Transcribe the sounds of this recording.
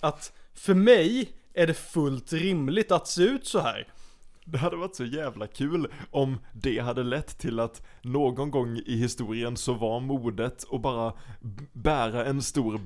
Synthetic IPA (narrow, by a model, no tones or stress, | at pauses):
at̪fœɾmɛjæɖɛfɵlt̪ɾɪmlɪt̪at̪seːʉ̟ːt̪sɔhæ̰ːɾd̪ɛɦad̪ːəvaʈsɔjæːvlakʰʉ̟ːlɔmd̪ɛɦad̪ːəlɛt̪ʰːɪlːat̪noːɡɔnɡɔŋːɪɦɪst̪uːɾɪənsɔvaɾmuːd̪ət̪ɔbɑːɾa | bæːɾaɛnst̪uːɾ